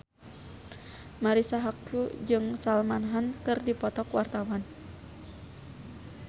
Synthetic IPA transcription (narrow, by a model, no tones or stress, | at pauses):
maɾisaɦakud͡ʒɨŋsalmanɦankɨrdipɔt̪ɔkwart̪awan